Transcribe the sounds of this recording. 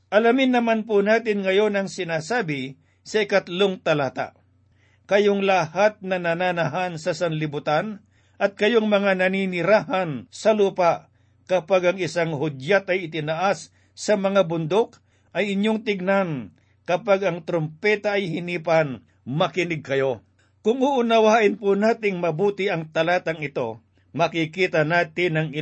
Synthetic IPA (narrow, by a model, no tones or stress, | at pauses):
ʔɐlamɪnːɐmanp̬ʊnaːt̪ɪnŋɐjo̞nɐŋsɪnaːsaːbɪ | sɐɪkɐt̪loŋt̪ɐlaːt̪a̰ʔ | kɐjoŋlɐhat̪̚nɐnananɐɦansɐsɐnlɪbʊt̪an | ʔɐt̪̚kɐjoŋmɐŋanɐninɪɾaːɦɐnsɐluːpaʔ | kɐpaɡɐŋɪsaŋhʊd̪jat̪ɐjɪt̪ɪnaʔasː | ɐmɐŋabʊnd̪ok̚ | ʔɐjɪɲjoŋt̪ɪɡ̚nan | kɐpaɡɐŋt̪ɾompɛːt̪aɐjhɪniːpan | mɐkɪnɪɡ̚kɐjo̞ | kʊŋʊʔʊnɐwaːʔɪnpʊnaːt̪ɪŋmɐbuːt̪ɪʔɐŋt̪ɐlaːt̪ɐŋɪt̪o̞ | mɐkɪkiːt̪ɐnaːt̪ɪnɐŋɪ